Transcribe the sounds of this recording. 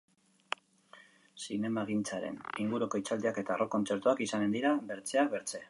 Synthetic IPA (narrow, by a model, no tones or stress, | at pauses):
sine̞maɣ̞int͡saɾe̞̰niŋɡuɾuko̞it͡sald̪eake̞t̪aro̞ko̞nt͡se̞ɾt̪uakisane̞nd̪iɾabe̞ɾt͡se̞akβe̞ɾt͡se̞